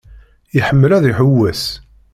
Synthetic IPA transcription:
iħəmːəlæðiħəwːæs

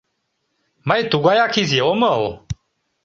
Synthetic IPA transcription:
majt̪uɡajaːkʰizjeoməo

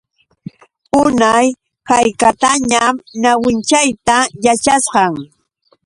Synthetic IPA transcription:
ʊnaj | kajkat̪aɲamnawɪnt͡ʃajt̪ajat͡ʃasɢɑŋ

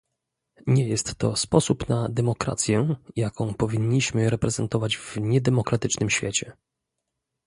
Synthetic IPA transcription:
ɲɛjɛst̪ːɔspɔsupnad̪ɛmɔkɾa̰t̪sʲjɛjakɔ̃w̃pɔvʲiɲːiɕmɘɾɛpɾɛzɛnt̪ɔvad͡ʑvɲɛd̪ɛmɔkɾat̪ɘt͡ʂnɘmɕfʲjet͡ɕɛ

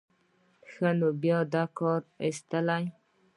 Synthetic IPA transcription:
xanobjɑd̪ɑkɑɾɪst̪əlaj

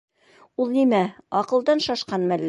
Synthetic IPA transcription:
ulˠnimæɒqɤ̆lˠd̪ɑnʃɑʃqɑnmælː

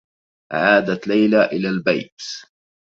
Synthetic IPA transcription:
ʕaːd̪at̪lajlaːʔɪlaːlba̰jt̪

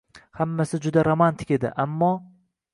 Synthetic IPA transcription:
hamːasɪd͡ʒʊd̪aɾomant̪ʰɪ̥kʲe̞d̪ɪ̰ʔamːɒ

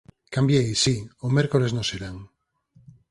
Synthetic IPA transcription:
kambjejsiomeɾkoleznoselaŋ

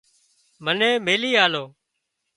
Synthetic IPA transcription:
mənẽːmeːliːaːloː

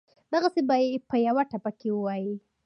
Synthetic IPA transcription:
d̪aɣasebajepəjawaʈapakewəwaji

